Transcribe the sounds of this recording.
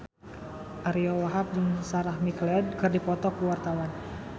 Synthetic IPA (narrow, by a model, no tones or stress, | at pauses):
ʔaɾiɔwaɦap̚dəŋsaɾahmiklɛd̚kɨrdipɔt̪ɔkuwart̪awan